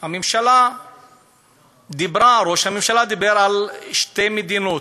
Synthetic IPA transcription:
hamemʃala | d̪ibɾaɾoʃhamemʃalad̪ibeɾalʃt̪emed̪inot̪

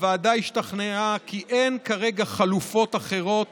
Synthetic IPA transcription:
veadajiʃtaχneakiʔe̞nkaʁe̞ɡaχalufo̞t̪aχe̞ʁo̞t

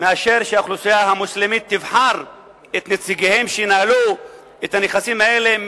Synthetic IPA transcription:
meaʃe̞ʁʃeaχlusijahamuslimit̪ːivħaʁ | et̪net͡siɡehe̞mʃejinalu | et̪haneχasimae̞le̞

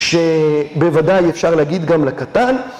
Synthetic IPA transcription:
ʃebevad̪ajefʃaʁlehaɡid̪ɡamlakat̪an

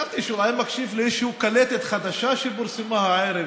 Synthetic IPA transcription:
avt̪iʃuajmakʃivliʃehukalet̪et̪χad̪aʃaʃeboɾsimahaʕeɾe

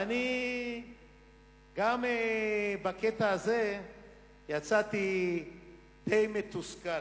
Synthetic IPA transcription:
ani | ɡamebaket̪aːze̞ | jat͡sat̪i | d̪̥ejmet̪uska

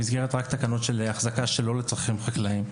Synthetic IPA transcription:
izɡe̞ʁet̪ʁakt̪akano̞tʃeleaχzakaʃe̞lo̞let͡sʁaχimχaklaim

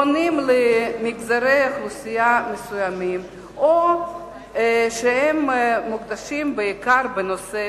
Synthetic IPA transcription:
onimlemiɡzaɾejaχlusijamesujamim | o | ʃehemːuɡd̪aʃimbeikaɾbenose

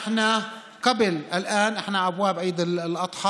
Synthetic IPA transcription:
ħna | qabɪlʔɪlʔaːnʔɪħnaʔabwaːbʕiːd̪ɪllʔɑt̪ˤħɑː

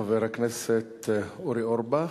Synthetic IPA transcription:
veɾaknɛset̪oɾioɾba

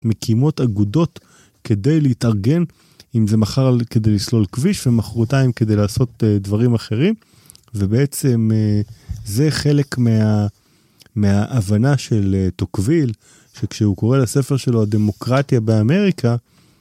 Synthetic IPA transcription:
mekʰimo̞taɡudo̞t̪ | ke̞d̪e̞jleitaʁɡe̞n | imze̞maχaʁke̞d̪e̞jlislo̞lkviʃvemaχʁutaimked̪e̞jlaːso̞t̪edvaʁimaχe̞ʁim | vebeet͡se̞mezeχe̞le̞kmea | meaʔavanaʃe̞let̪okvil | ʃekʃeuko̞ʁelasefe̞ʁʃe̞lo̞ade̞mo̞kʁat̪jabeame̞ʁikʰa

